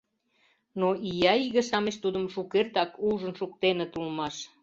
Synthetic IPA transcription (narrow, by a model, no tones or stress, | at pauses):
noʔijɑiɣə̆ʃɑmeʃt̪ud̪əmʃukert̪ɑkuʒə̆nʃuk̚t̪enet̪ulmɑʃ